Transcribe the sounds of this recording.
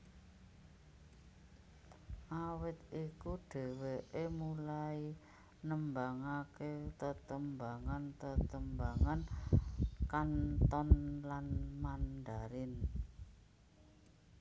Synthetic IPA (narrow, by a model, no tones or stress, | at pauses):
ʔawɪt̪ʔikuɖ̥ɛ̤weʔemulai | nəmbaŋaket̪ət̪əmbaŋant̪ət̪əmbaŋan | kant̪ɔnlanmand̪aɾɪn